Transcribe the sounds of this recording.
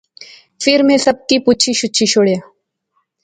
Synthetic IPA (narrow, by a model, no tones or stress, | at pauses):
fɪɾmẽsəb̚kiːput͡ɕʰiɕutːɕʰiɕoɽja